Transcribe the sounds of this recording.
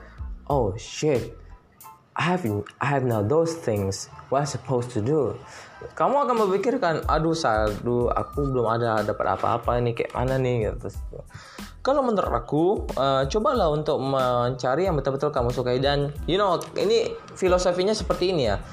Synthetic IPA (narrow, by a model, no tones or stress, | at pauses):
ʔowʃɪt̪̚ | ʔaɦɛvʔaɛvnaʊd̪osθɪ̃ŋswɔtajsəpʰoʊst̪ʰudu | kamuakanməmikɪrkana̰dusadua̰kubəlʊmadadapa̰t̪a̰pa̰ːpainikaj̰ʔmʔa̰nanɪhɡ̪t̪ɾʊs | kalomənəra̰kuət͡ʃobalahunt̪ʊk̚məɲt͡ʃaɾijaŋbət̪arbət̪ʊlkamusukaidanjunoʔḭni | filosofiɲasəpərt̪iːnija